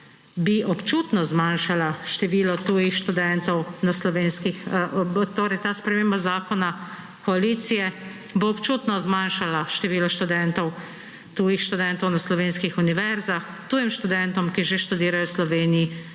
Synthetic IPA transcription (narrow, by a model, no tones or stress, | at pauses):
biʔɔpt͡ʃuːt̪nɔzmaːnʃalaʃt̪ɛʋiːlɔt̪uːjixʃt̪ud̪ɛnt̪ɔwnaslɔʋeːnskixt̪oːɾɛjt̪aːspɾɛmeːmbazaːkɔna | kɔaliːt̪sijɛ | boːpt͡ʃuːt̪nɔzmanʃalaʃt̪ɛʋiːlɔʃt̪ud̪ɛnt̪ɔw | t̪uːjixʃt̪ud̪ɛnt̪ɔwnaslɔʋeːnskixuniʋɛɾzax | t̪uːjimʃt̪ud̪ɛnt̪ɔmkiʒeʃt̪ud̪iːɾajɔslɔʋeːniji